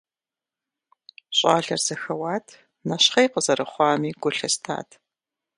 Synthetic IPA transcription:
ɕʼɑːɮɐrz̥ɐxɐwaːtʰ | nɐɕχɐjqəzɐrɐχʷɑːmiːɡ̥ʷʊɬɐstʰa̰ːtʰ

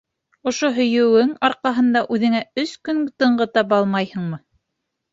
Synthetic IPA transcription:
ŏʃoɦɵ̆jɵ̆wɘŋɑɾqɑɦɤ̆nd̪ɑʔʉðɘ̆ŋæɵskɵnt̪ɤ̆ɴɢɤt̪ɑp̬ɑlˠmɑjhɤ̆ɴmɤ

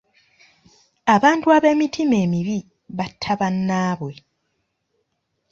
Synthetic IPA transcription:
aβaːntuaβe̞ːmitʰime̞ːmiβi | βatʰːaβanːaːβwe̞

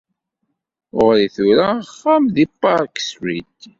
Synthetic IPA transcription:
ʊʁɾiθuɾaχːamðipːaɾˤkswit̪

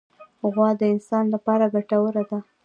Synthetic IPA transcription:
ɣwɑd̪əɪnsɑnlapɑɾaɡaʈawəɾad̪a

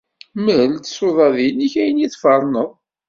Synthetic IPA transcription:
məlt̪ə̥soðˤɑðiniçæjənjiθfɑɾˤnəðˤ

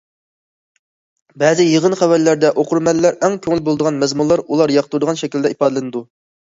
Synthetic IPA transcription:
bɛzɪjəʁənχæwælːæɾd̪ɛʔoqʰʊɾmɛlːæɾɛŋkʲʰøŋɪlbolˠd̪əʁɑnmɛzmunlˠɑɾulˠɑɾjɑqʰt̪ʰuɾd̪əʁɑnʃɛkʲild̪ɛipɑːd̪ɨlˠɨnɨd̪u

